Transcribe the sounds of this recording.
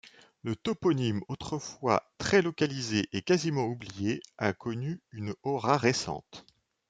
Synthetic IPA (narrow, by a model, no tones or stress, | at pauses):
lət̪ɔpɔnimot̪χəfwa̰t̪χɛlɔkalizeʔekazimɑ̃ublijeakʰɔnyynɔʁaʁesɑ̰̃t̪